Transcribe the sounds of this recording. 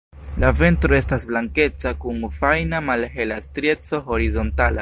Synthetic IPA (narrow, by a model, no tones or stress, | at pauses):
lave̞ntɾo̞e̞stasblaŋke̞t͡sakuŋfajnamalɦe̞lastɾie̞t͡so̞ɦo̞ɾizo̞ntala